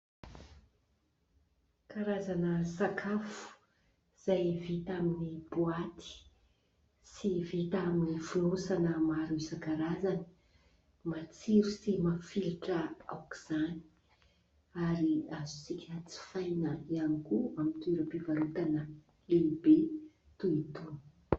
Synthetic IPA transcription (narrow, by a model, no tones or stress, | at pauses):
kaɾazanəsakʰafu̥ | iz̥ajvit̪aminib̥uat̪ʰi̥ | sivit̪aminifulosanəmaɾuisakaɾazanə | mat͡siɾusimafilʈ͡ʂəa̰wki̥z̥ani̥ | aɾiazu̥t͡sikʲʰət͡si̥fajnəianikuamit̪uiɾəpivaɾut̪anə | elibe | t̪uit̪un̥